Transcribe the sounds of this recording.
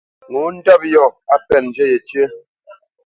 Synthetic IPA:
ŋu˨˦n̩˦dɔ˦p̚jɔ˦˨a˦pɛ˨n˨d͡ʒɛ˦jɛ˨tjə˦

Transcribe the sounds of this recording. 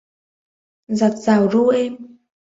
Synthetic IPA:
za˨˩t̚z̥aː˨˩wɾu˧˦ʔɛ˧m

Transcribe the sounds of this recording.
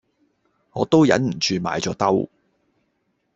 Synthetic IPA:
ŋɔː˨˧t̪o˥wjɐ˨˥nm̩˨˩t͡ʃyː˧ma̰ː˨jt͡ʃɔː˨˧˥t̪ɐ˥w

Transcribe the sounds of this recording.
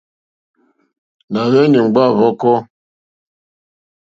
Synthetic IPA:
na˨ɣɛ˦ni˨ŋ͡mɡ͡ba˦˨vɔ˦kɔ˦

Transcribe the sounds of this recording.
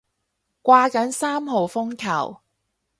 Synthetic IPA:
kʷaː˧kɐ˨˥nsaː˥mɦo˨wfʊ˥ŋkʰɐ̰˨˩w

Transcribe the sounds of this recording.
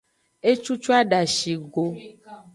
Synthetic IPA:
e˦t͡ʃu˦t͡ʃu˦a˦ɖa˨ʃi˨ɡo˦

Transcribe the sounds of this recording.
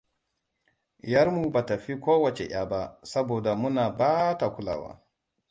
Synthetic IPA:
jɐ˦ɾmu˨ba˨tɐ˨ɸi˦kʷoː˦wɐ˨t͡ʃe˨ʔʲaː˦ba˦sɐ˦boː˨da˨mʊ˦naː˨baː˦ta˨kʷʊ˦la̰ː˨wa̰ː˦

